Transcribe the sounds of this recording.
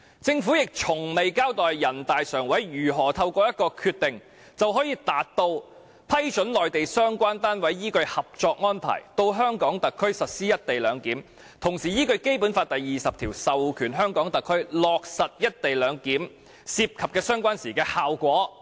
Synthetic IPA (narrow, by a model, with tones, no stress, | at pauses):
t͡sɪ˧ŋfu˨˥jɪ˨k̚t͡ʃʰʊ˨˩ŋme˨jkaː˥wt̪ɔː˨jjɐ˨˩nt̪aː˨jsœː˨˩ŋwɐ˨˥jjyː˨˩ɦɔː˨˩t̪ʰɐ˧wkɔː˧jɐ˥t̚kɔː˧kʰyː˧t̚t̪ɪ˨ŋ | t͡sɐ˨wɦɔː˨˥jiː˧t̪aː˨˥tt̪o˧w | pʰɐ˥jt͡ʃɵ˨˥nlɔː˨jt̪e˨jsœː˥ŋkʷaː˥nt̪aː˥nwɐ˨˥jːiː˥kɵ˧ɥhɐ˨p̚t͡ʃɔː˧k̚ŋɔː˥npʰa̰ː˨˩jt̪o˧wɦœː˥ŋkɔː˨˥ŋt̪ɐ˨kʰːɵ˥ɥsɐ˨t̚siː˥jɐ˥t̚t̪e˨jlœː˨˧ŋkiː˨˥m | t̪ʰʊ˨˩ŋsiː˨˩jiː˥kɵ˧ɥke˥jpuː˨˥nfaː˧t̚t̪ɐ˨jːiː˨sɐ˨p̚t̪ʰiː˨˩wsɐ˨wkʰyː˨˩nɦœː˥ŋkɔː˨˥ŋt̪ɐ˨kʰːɵ˥ɥlɔː˨k̚sɐ˨t̚jɐ˥t̚t̪e˨jlœː˨˧ŋkiː˨˥m | siː˧p̚kʰɐ˨p̚kɛː˧sœː˥ŋkʷaː˥nsiː˨˩kɛː˧haː˨wkʷɔː˨˥